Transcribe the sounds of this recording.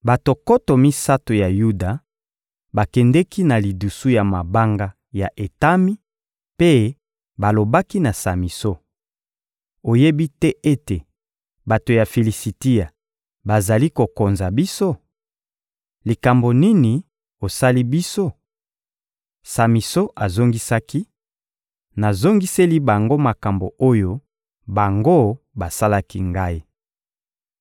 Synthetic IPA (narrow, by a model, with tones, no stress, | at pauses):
ba˨to˨ko˦to˨mi˦sa˦to˨ja˨ju˦da˨ | ba˨kɛ˨ndɛ˦ki˦na˨li˨du˨su˦ja˨ma˨ba˦ŋɡa˦ | ja˨ʔe˨ta˦mi˦ | pe˦ | ba˨lo˨ba˦ki˦na˨sa˨mi˨so˦ | o˨je˦bi˦tɛ˦ʔe˦te˨ | ba˨to˨ja˨fe˨li˨si˨ti˦ja˨ | ba˨za˨li˦ko˨ko˨nza˨bi˦so˦ | li˨ka˨mbo˨ni˦ni˨ | o˨sa˦li˦bi˦so˦ | sa˨mi˨so˦ʔa˨zo˦ŋɡi˦sa˦ki˦ | na˨zo˦ŋɡi˦se˦li˦ba˨ŋɡo˦ma˨ka˨mbo˨o˦jo˦ | ba˨ŋɡo˦ | ba˨sa˦la˦ki˦ŋɡa˦i˦